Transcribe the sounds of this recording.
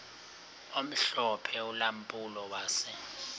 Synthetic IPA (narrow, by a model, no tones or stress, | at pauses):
om̩ɬɔpʰɛulampʼulɔwaːsɛ